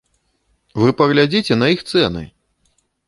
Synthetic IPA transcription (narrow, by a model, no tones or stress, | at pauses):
vɨpɐɣlʲad͡zʲit͡sʲɛnɐixt̪sɛnɨ̰